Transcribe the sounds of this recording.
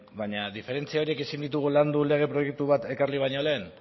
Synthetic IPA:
baɲaðife̞ɾe̞nt͡siao̞ɾie̞kesind̪it̪̬uɣ̞uland̪ule̞ɣ̞e̞pɾo̞je̞k̚t̪uβ̞at̪e̞kaɾliβ̞ajɲo̞le̞ːn

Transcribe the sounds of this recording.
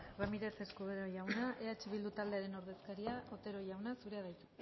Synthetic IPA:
ramiɾe̞se̞skuðeɾojawnaʔeat͡ʃiβ̞ild̪ut̪ald̪eaɾe̞no̞ɾð̞e̞skaɾiaʔo̞t̪e̞ɾo̞ʝawnasuɾe̞að̞ajt̪u̥

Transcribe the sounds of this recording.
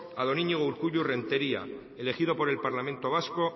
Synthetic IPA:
aðo̞niɲiɣouɾkuʎure̞nt̪e̞ɾia̰ | ele̞xiðo̞po̞ɾe̞lpaɾlame̞nt̪o̞β̞asko̞

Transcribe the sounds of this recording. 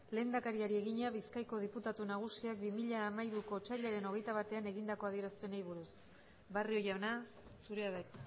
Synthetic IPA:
le̞ːnd̪akaɾiaɾie̞ɣiɲaβiskajko̞ð̞iput̪at̪unaɣ̞usiak̚bimiʎaːmaiɾuko̞t͡ʃaʎaɾe̞no̞ɣe̞jt̪aβ̞at̪e̞ane̞ɣind̪ako̞að̞ie̞ɾaspe̞nejβuɾus | bario̞jana | suɾe̞aða

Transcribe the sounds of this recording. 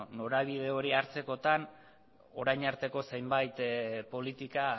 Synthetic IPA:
no̞ɾaβ̞iðe̞o̞ɾiaɾt͡se̞ko̞t̪an | o̞ɾajɲaɾt̪e̞ko̞sejmbajt̪po̞lit̪ika

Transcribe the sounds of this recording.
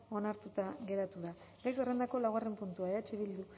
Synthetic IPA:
o̞naɾt̪ut̪aɣe̞ɾat̪uða | ɡajkere̞nd̪ako̞lawɣare̞mpunt̪uaeat͡ʃeβild̪u

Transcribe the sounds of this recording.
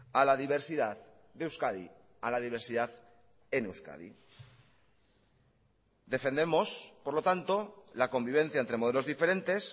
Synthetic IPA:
alaðiβ̞e̞ɾsiðað | ðeuwskaðḭ | alaðiβ̞e̞ɾsiðað | enewska̰ðḭ | d̪e̞fe̞nd̪e̞mo̞spo̞ɾlo̞t̪ant̪o̞lako̞mbiβ̞ẽ̞n̟θjaent̪ɾe̞moðelo̞zðife̞ɾe̞nt̪e̞s

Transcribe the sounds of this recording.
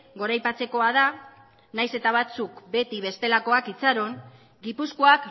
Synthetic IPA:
ɡo̞ɾajpat͡se̞ko̞að̞a | najse̞t̪aβ̞at͡sukbe̞t̪iβe̞st̪e̞lako̞akit͡saɾo̞ŋ | ɡipuskoak

